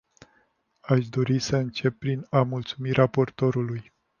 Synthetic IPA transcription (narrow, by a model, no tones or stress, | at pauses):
aʃd̪o̞ɾisəɨnt͡ʃe̞pːɾinamult̪sumiɾʔapo̞rt̪o̞ɾuluj